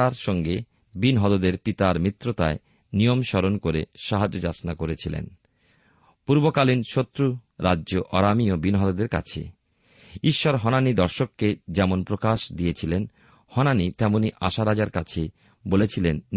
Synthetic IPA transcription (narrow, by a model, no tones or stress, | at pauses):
aɾʃɔŋɡe | binɦɔd̪od̪eɾpit̪aɾmit̪ːɾot̪ae | nijomʃɔɾonkoɾeʃaɦad͡ʑod͡ʑasnakoɾet͡ɕʰilḛn | puɾbokalinʃot̪ːɾu | ɾadːʑoʔɔɾamiobinɦɔd̪od̪eɾka̰t͡ɕʰḛ | iʃːɔɾɦɔnanid̪ɔɾʃokːed͡ʑɛmonpɾokaʃd̪iet͡ɕʰilen | hɔnanit̪ɛmoniʔa̰ʃaɾad͡ʑaɾkat͡ɕʰe | bolet͡ɕʰilenː